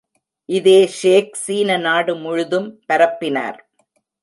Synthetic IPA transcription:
ʔɪðeːʂeːksiːnɐnaːɽɯmʊɻʊðɯmpɐɾɐpːɪna̰ːɾ

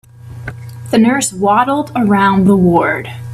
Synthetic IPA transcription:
ðɨnɜ˞swɑɾl̩ˠdə˞ãʊ̃nðəwɔɹd̥

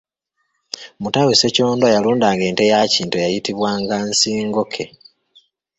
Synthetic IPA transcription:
mutaweseco̞ːndwajaluːndaːŋɡe̞ːnte̞jaciːntuejajitiβwaːŋɡansiːŋɡo̞kʰe̞

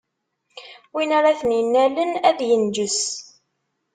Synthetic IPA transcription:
winaɾaθəninːælənæðjənd͡ʒəs

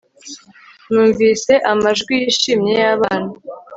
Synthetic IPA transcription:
nuːɱviːse̞ʔamaʒɡwijiʃiːmɲe̞jaβaːna

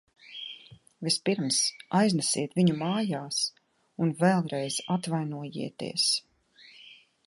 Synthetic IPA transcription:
vispiɾmsajznɛsḭɛt̪viɲumaːjaːs | unvɛlˠɾɛjz̥at̪vajnuɔjḭɛt̪ḭɛs

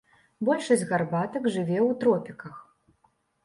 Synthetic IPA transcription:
bɔlʲʂɐsʲɣarbat̪ɐkʐɨvʲɛwt̪ɾɔpʲikɐx

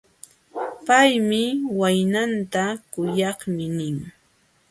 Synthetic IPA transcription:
pajmɪwajnant̪akʊjɑχmɪnɪŋ

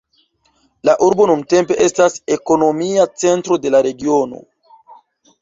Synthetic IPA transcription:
laʔuɾbo̞nunte̞mpe̞ʔe̞stase̞ko̞no̞miat͡se̞ntɾo̞de̞laɾe̞ɡio̞no̞̰

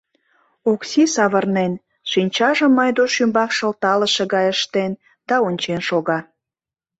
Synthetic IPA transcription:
uksisɑβərnen | ʃinʲt͡ɕɑʒəmːɑjd̪oʃymbɑkʃəlt̪ɑləʃeɣɑjəʃt̪en | d̪̥ɑonʲt͡ɕenʃoɣɑ

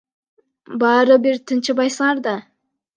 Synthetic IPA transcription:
bɑːɾɯbiɾt̪ʰɯnt͡ʃɯbɑjsɯŋɑɾd̪ɑ

